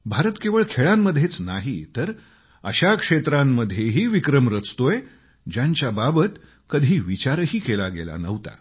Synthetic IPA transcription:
bʱaɾət̪keʋəɭkʰeɭãmːəd̪ʱːjet͡snaɦit̪əɾ | əɕakʂet̪ɾãmːəd̪ʱjeɦiːʋikɾəmɾət͡st̪oj | d͡ʑjãɲt͡ɕjababət̪ | kəd̪ʱiːʋit͡ɕaɾɦiːkelaɡḛla̰nəʋt̪a̰

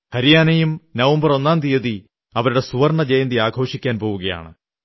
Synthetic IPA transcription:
hɐɾijaːnɐjumnɐʋɐmbɐro̞nːaːnt̪ijɐði | ɐʋɐɾuɽe̞suʋɐrɳɐd͡ʑejɐnd̪iaːɡʱo̞ːʂikʲːaːnpo̞ːʋuɣɐja̰ːɳɨ̰

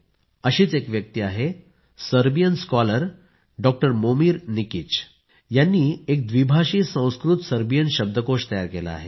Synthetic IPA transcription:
əɕiːt͡sekʋjək̚t̪iaɦe | səɾbijənskɔləɾ | ɖɔk̚ʈəɾmomiːɾnikit͡ɕ | janːiːek̚d̪ʋibʱaɕiːsə̃w̃skɾut̪səɾbijənɕəb̚d̪ʱəkoʂt̪əjaɾkela̰ːɦe

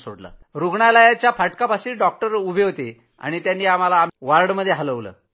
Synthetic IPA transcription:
so̰ɽlə̰ɾuɡɳalajat͡ɕjapaʈkapaɕiːɖɔk̚ʈəɾubʱeɦot̪e | a̰ɽ̃it̪janːiːam̤alaːmʋaɾɽməd̪ʱːjeɦaləʋlə̰ː

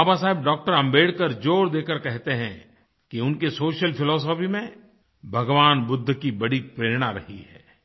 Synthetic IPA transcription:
aːbas̬aːɦɪb̚ɖɔːk̚ʈəɾɐ̃mbeːɽkəɾd͡ʒoːɽd̪eːkəɾkɛɦt̪eɦɛ̰̃ | kiʊnkesoːʃəlpʰɪlɔːs̬ɔːpimẽ | bʱɐɡʋaːnbʊd̪ʱːkibɐɽipɾeːɾɽ̃aɾɐɦiɦɛ̰ː

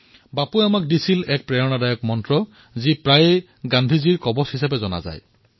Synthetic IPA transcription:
bapuɛamak̚disilɛk̚pɹɛɹɔnadajɔk̚mɔntɹɔ | zipɹajɛ | ɡandʱiziɹkɔbɔshisapɛzɔna̰za̰j

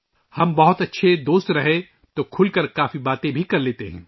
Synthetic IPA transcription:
hɐmbɐɦʊt̪ɐtːʃʰed̪oːst̪ɾɐɦe | t̪oːkʰʊlkɐɾkaːfibaːt̪ẽbʱikɐɾleːt̪eɦɛ̰̃ː

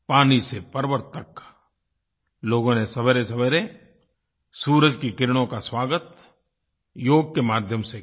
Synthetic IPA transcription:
paːnisepɐɾʋəɾt̪ək | loːɡõnesɐbəɾesɐbəɾe | suːɾəd͡ʒkikɪɾɽ̃õkaswaːɡət̪̚ | joːɡ̚kemaːd̪ʱjəmse

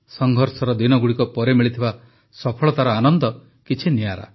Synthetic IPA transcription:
sɔŋɡʱɔɾsɔɾɔd̪inɔɡuɽikɔpɔɾemiɭit̪ʰiba | sɔpʰɔɭɔt̪aɾɔanɔnd̪ɔ | kit͡ʃʰiniaɾa̰

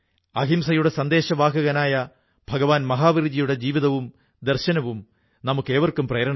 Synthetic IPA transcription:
ɐɦimsɐjuɽe̞sɐnd̪eːɕɐʋaːkɐɣɐnaːjɐ | bʱɐɡɐʋaːnmɐɦaːʋiɾd͡ʑijuɽe̞d͡ʑiːʋiðɐʋum | d̪erɕɐnɐʋum | nɐmukːe̞ːʋɐrkːumprɐːɐɾɐɳɐ

